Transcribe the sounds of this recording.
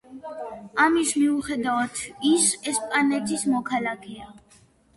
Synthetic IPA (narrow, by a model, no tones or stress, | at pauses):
amismiuχɛd̪avat̪ʰisɛspʼanɛt̪ʰʼismɔkʰalakʰɛa